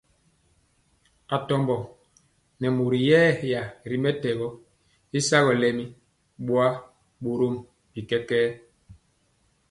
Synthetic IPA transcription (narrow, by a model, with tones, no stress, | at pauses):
a˨tɔ˨mbɔ˨ | nɛ˨mo˨ɾi˨jɛː˦ja˨ɾi˨mɛ˦tɛ˨ɣɔ˦ | i˦sa˦ɣɔ˨lɛ˦mi˦ | ɓwa˦ | ɓo˨ɾo˦m | bi˨kɛ˦kɛː˦